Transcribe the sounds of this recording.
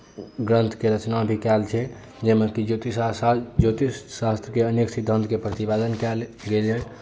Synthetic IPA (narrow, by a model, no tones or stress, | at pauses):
ɡɾə̃nt̪ʰkeɾət͡ʃnabʱikɛlt͡ʃʰɛ | d͡ʒemekid͡ʒot̪isad͡ʒot̪isast̪ɾəkeəneksid̪ʱənd̪kepɾət̪ibed̪ənkɛl | ɡeljɛ